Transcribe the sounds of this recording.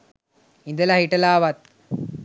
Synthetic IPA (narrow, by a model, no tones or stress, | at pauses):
ind̪əlaɦiʈɐlaːʋat̪̚